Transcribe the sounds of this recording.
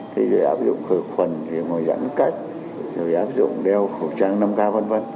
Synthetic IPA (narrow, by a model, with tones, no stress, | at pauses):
t̪ʰi˨˦zo˨˩jʔaː˦˥p̚zʊ̰˧˨ŋ͡mxɨː˧˩xwə˨˩nzi˨˩ŋo˨˩jza̰˧˥nka˦˥jk̟̚ | zo˨˩jʔaː˦˥p̚zʊ̰˧˨ŋ͡mɗɛ˧wxɨ˨˩wt͡ɕaː˧ŋna˧mkaː˧və˧nvə˧n